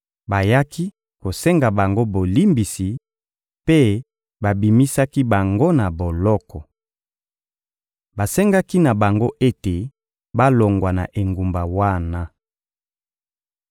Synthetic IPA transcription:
ba˨ja˦ki˦ | ko˨sɛ˦ŋɡa˨ba˨ŋɡo˦bo˨li˦mbi˨si˨ | pe˦ | ba˨bi˨mi˦sa˦ki˦ba˨ŋɡo˦na˨bo˨lɔ˦kɔ˨ | ba˨sɛ˦ŋɡa˦ki˦na˨ba˨ŋɡo˦ʔe˦te˨ | ba˦lo˨ŋɡwa˨na̰˨ʔe˨ŋɡu˨mba˨wa˦na˦

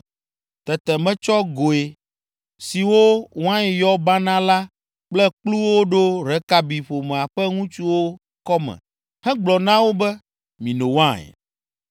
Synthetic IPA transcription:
t̪ɛ˨t̪ɛ˨mɛ̃˦t͡ʃɔ˦ɡo˨e˨ | si˨wo˦wã˦ɛ˨jɔ˦ba˦nã˦la˦ | k͡plɛ˦k͡plu˦wo˦ɖo˦ɾɛ˨˦ka˦bi˨ɸo˨mɛ̃˨a˨ɸɛ˦ŋũ˦t͡ʃu˦wo˦ | kɔ˦mɛ̰̃˨ | hɛ̃˦ɡ͡blɔ˨nã˦wo˦bɛ˦ | mĩ˨nõ˨wã˦ɛ̰˨

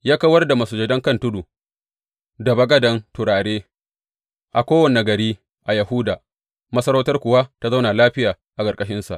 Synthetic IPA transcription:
jaː˦ka˦wɐ˦rda˨ma˨su˨d͡ʒɛ˨dɐ˦ŋkɐ˦ntʊ˦du˨ | dɐ˨bɐ˦ɡɐ˦dɐ˨˦ntʊ˨ɽaː˨ɽeː˦ | ʔa˨kʷoː˦wɐ˨ne˨ɡɐ˨ɾiː˦ | ʔa˨jɐ˨ɦʊː˦daː˨ | mɐ˦sɐ˦ɾoː˦tɐ˦rkʷʊ˨wa˦ta˦za˦wna˨laː˦ɸɪ˦jaː˨ | ʔa˨kʼɐ˨rkʼɐ˦ʃɪ˦nsa̰˨ʔ

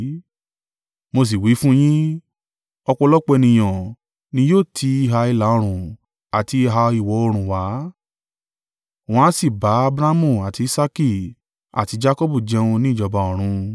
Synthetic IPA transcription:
mo˧s̬i˨wi˨˦fũ˦j̃ĩ˦ | ɔ˧k͡pɔ˧lɔ˦k͡pɛ˧nĩ˧˨j̃ɔ̃˨ | nĩ˧joː˦˨tʰi˧˦i˧ɦa˧i˧la˨˦ɔ̃˧ɾ̃ũ˨ | a˨ti˧i˧ɦa˧i˨wɔ˨˦o˧ɾ̃ũ˨wa˨˦˨ | w̃ɔ̃˦a˦si˦˨ba˨˦a˧bɾa˦mũ˨a˨ti˨˧i˦sa˦ki˧˨ | a̰˨ti˨˧˦d͡ʒa˦kɔ˦bu˦˨d͡ʒɛ˧ũ˧nĩ˦˨d͡ʒɔ˧ba˧ɔ̃˨ɾ̃ũ˧

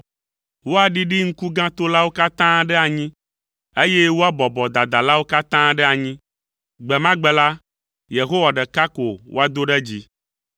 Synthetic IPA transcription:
wo˦a˨ɖi˦ɖi˦ŋ̩˦ku˦ɡã˦t̪o˦la˦wo˦ka˦t̪ã˦ɖɛ˦a˨ɲĩ˦ | e˦je˦wo˦a˦bɔ˨bɔ˨d̪a˨d̪a˨la˦wo˦ka˦t̪ã˦ɖɛ˦a˨ɲĩ˦ | ɡ͡bɛ˨mã˦ɡ͡bɛ˨la˦ | je˨ɦo˦wa˨ɖɛ˨ka˦ko˨wʔo̰˦a˦d̪o˦ɖɛ˦d͡ʑi˦

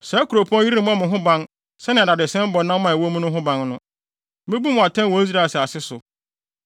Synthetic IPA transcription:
sɛ˨˦kʰu˨ɾo˨pʰu˦ɔ̃˦ji˦ɾi˦˨m˦ã˦mɪ̃˨ɦʊ̃˦bã˦n | sɛ˦nɪ̃˨da˨dɪ˨sɛ̃˦m̩˦bɔ˨nã˦m˦mã˨wo˦mʊ̃˦nʊ̃˦ɦʊ̃˦bã˨˦nnʊ̃˦ | mɪ̃˦bu˦mʊ̃˨a˨tʰɛ̃˦n˨wɔ̃˨˦i˦z̬ɾa˦˨sɪ˨a˨sɪ˦sʊ˨

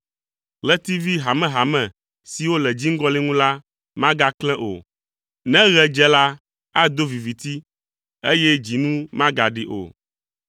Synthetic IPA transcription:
lɛ˦t̪i˦vi˦ɦa˨mɛ̃˨ɦa˨mɛ̃˨ | si˨wo˦lɛ˨d͡ʑi˦ŋ̩˦ɡɔ˦li˦ŋũ˦la˦ | mã˦ɡa˦klɛ̃˦ʔo̰˨ | nɛ̃˦ɣɛ˨d͡ʒɛ˦la˦ | a˦d̪o˦vi˨vi˨t̪i˦ | e˦jɛ˦d͡ʑi˨nũ˦mã˦ɡa˨ɖi˨ʔo̰˨

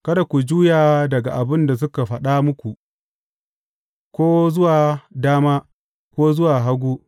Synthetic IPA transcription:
kɐ˦da˨kʷu˨d͡ʒuː˦jaː˨dɐ˨ɡa˨ʔa˨bɪ˦nda˨s̬ʊ˦ka˨ɸɐ˦ɗa˦mʊ˦kʷu˨ʔ | kʷoː˦zʊ˦waː˨daː˦maː˦ | kʷoː˦zʊ˦waː˨ɦa˦ɡʷuː˦

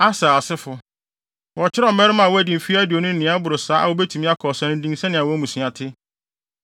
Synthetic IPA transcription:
a˦saː˨sɪ˦fʊ˨ | wɔ˨t͡ɕʰɪ˦ɾɔ˦˨mɛ˦ɾɪ˦mã˨wɔ˦æ˨di˨fi˦æ˦dɪ˨o˨nʊ̃˦n̩˦nɪ̃˦a˦bʊ˨ɾʊ˨saː˦ʔa̰˨wo˦be˦tʰu˨mĩ˦a˦kʰɔ˨sɛ̃˦nʊ̃˦n˦dĩ˦ŋ˦sɛ̃˦nɪ̃˨a˨wɔ˦mũ˨sɥ̃a˨tʰɪ˦

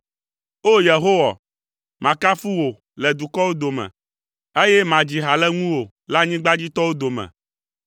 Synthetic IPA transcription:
o˦je˨ɦo˦wa̰˨ | mã˨ka˦fu˦wo˨ | lɛ˨d̪u˨kɔ˦wo˦d̪o˨mɛ̰̃˨ | e˦jɛ˦mã˨d͡ʑi˨ɦa˨lɛ˦ŋũ˦wo˨ | la˦ɲĩ˦ɡ͡ba˦d͡ʑi˦t̪ɔ˦wo˦d̪o˨mɛ̰̃˨

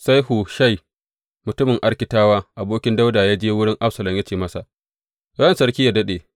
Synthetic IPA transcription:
sa˦jhu˨ʃa˦˨j | mʊ˨tʊ˦mɪ˨ŋʔa˦ɽkʲɪ˨taː˦waː˦ʔa˨boː˦kʲɪ˦nda˦wdaː˨jaː˦d͡ʒeː˦wʊ˦ɽɪ˦ŋʔa˦ɸsɐ˨lɐ˨mja˦t͡ʃeː˦˨mɐ˦sa˨ʔ | ɾɐ˦nsɐ˦ɽkʲiː˦ja˨dɐ˦ɗeː˨

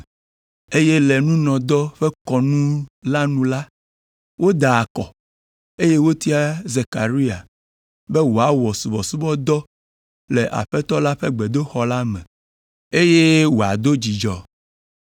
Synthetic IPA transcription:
e˦je˦le˨nũ˦nɔ̃˨d̪ɔ˦ɸɛ˦kɔ˨nũ˦la˦nũ˦la˦ | wo˦d̪a˨a˨kɔ˨ | e˦je˦wo˦t̪i˦a˦ze˨ka̰˨ɾi˦a̰˨ | bɛ˦wo˨a˨˦wɔ˨su˨bɔ˨su˦bɔ˦d̪ɔ˦ | lɛ˨ʔa̰˨ɸɛ˦t̪ɔ˦la˦ɸɛ˦ɡ͡be˨d̪o˦xɔ˦la˦mɛ̰̃˨ | e˦je˦wo˨a̰˨d̪o˦d͡ʑi˨d͡ʒɔ˦

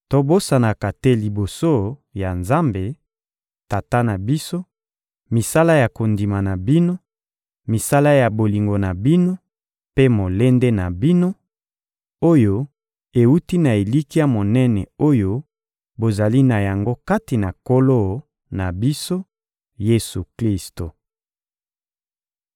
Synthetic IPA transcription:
to˦bo˦sa˨na˨ka˨te˦li˨bo˨so˦ja˨nza˦mbe˨ | ta˨ta˦na˨bi˦so˦ | mi˨sa˦la˦ja˨ko˨ndi˨ma˨na˨bi˦no˦ | mi˨sa˦la˦ja˨bo˨li˨ŋɡo˨na˨bi˦no˦ | pe˦mo˨le˦nde˦na˨bi˦no˦ | o˦jo˦ | e˨u˦ti˦na˨e˨li˦ki˦a˦mo˨nɛ˦nɛ˨o˦jo˦ | bo˨za˨li˦na˨ja˨ŋɡo˦ka˦ti˨na˨ko˦lo˦˨˦ | na˨bi˦so˦ | je˦su˨kli˦sto˨

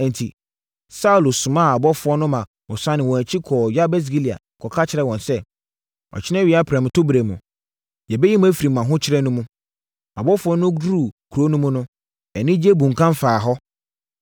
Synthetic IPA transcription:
ɛ̃˨n˨tʰi˨ | sa˦u˨lo˨sʊ̃˨mã˦˨a˨bɔ˦fʊ˨˦ɔ˦nʊ̃˦mã˨ | ɔ˨sã˦nɪ̃˨wɔ̃˨æ˨t͡ɕʰi˦kʰɔː˨ɥa˦bɛ˦s̬ɡi˦li˨a̰˨ | kʰɔ˨kʰa˦t͡ɕʰɪ˨ɾɛ˨wɔ̃˨nsɛ˦ | ɔ̰˨t͡ɕʰɪ˦nɛ̃˦ɥi˨a˦pʰɾɛ̃˨m˨tʰʊ˦bɾe˨mʊ̰̃˨ | jɛ˨bɛ˦ji˦m̃˦æ˦fi˨ɾi˨mã˨ɦʊ̃˦t͡ɕʰɪ˦ɾɛ˦nũ˦mũ˦ | a˨bɔ˦fʊ˦ɔ˦nʊ̃˦du˦ɾu˨kʰɾo˦nũ˦mũ˦nʊ̃˦ | ɛ˨nɪ̃˦d͡ʑe˦bũ˨ŋ̩˨kʰã˦m˦faː˨ɦɔ˦

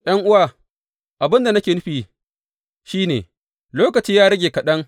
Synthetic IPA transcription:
ʔj̰ɐ˦ŋʔʊ˦waː˨ | ʔa˨bɪ˦nda˨nɐ˦kʲeː˨nʊ˦ɸiː˨ | ʃiː˦nḛː˨ | loː˦kɐ˨t͡ʃiː˦jaː˦ɾɐ˦ɡʲeː˨kɐ˨ɗɐ˦ŋ

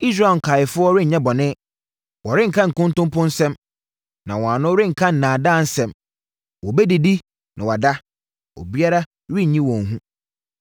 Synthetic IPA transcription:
i˦s̬ɾa˦˨ŋ̩˨kʰaː˨jɪ˨fʊ˦ɔ˦ɾɪ˦˨ɲɛ̃˦bɔ˨nɪ̃˦ | wɔ˨ɾɪ̃˦ŋ̩˨kʰã˦ŋ̩˨kʊ̃˦n˦tʊ̃˦mpʊ̃˦n̩˦sɛ̃˦m | nã̰˨wɔ̃˨ã˨nʊ̃˦ɾɪ̃˦ŋ̩˨kʰã˦n̩˨nãː˨dãː˦˨n̩˦sɛ̃˨m | wɔ˨bɛ˦di˨di˦ | nã˨wa˨da˦ | o̰˨bi˦a˦ɾa˦ | ɾɪ˦˨ɲĩ˦wɔ̃˨n˨ɦũ˦

